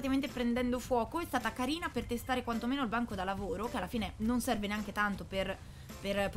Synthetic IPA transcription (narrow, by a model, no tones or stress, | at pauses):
t̪iament̪epɾend̪ɛnd̪ofwɔːkoɛst̪aːt̪akaɾiːnapert̪est̪aːɾekwant̪omeːnoilbaŋkod̪alːavoːɾokealːafiːnenonsɛrveneaŋk̟et̪ant̪oper | perpo